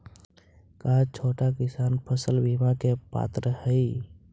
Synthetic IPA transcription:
kaːt͡ʃʰoːʈakɪsaːnpʰəsəlbimakepa̰ːt̪ɾəhəi

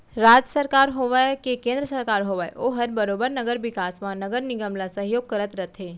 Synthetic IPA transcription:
ɾaːd͡ʒəsəɾkaːɾɦoːʋakekẽːnd̪ɾəsɐɾkaːɾɦoːʋaːeʔoɦɐɾbɐɾoːbəɾnɐɡəɾʋɪkaːsmãnɐɡəɾnɪɡəmlasəɦjoːɡ̚kɐɾət̪ɾət̪ʰɦeː

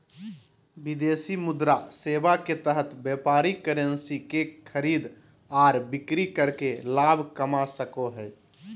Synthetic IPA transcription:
bɪd̪eːsimʊd̪ɾaseːbaket̪əɦət̪bjɛpaːɾikəɾənsikekʰəɾiːd̪ | aːɾbɪkɾikəɾkelaːbʱkəmasəkoɦɛː

